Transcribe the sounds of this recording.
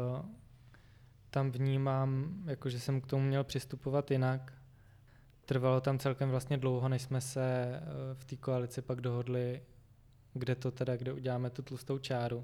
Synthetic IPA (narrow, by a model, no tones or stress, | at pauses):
t̪amvɲiːmaːmjakoʒɛsɛmkt̪omumɲɛlpr̥ɪst̪upo̞vat̪jɪnak | t̪r̩valo̞t̪amt͡sɛlkɛmvlast̪ɲɛdlo̞wɦo̞nɛʃsmɛsɛft̪iːkoalɪt͡sɪpaɡdo̞ɦo̞dlɪ | ɡdɛt̪o̞t̪ɛdaɡdɛʔuɟɛlaːmɛt̪ut̪lust̪owt͡ʃaːɾu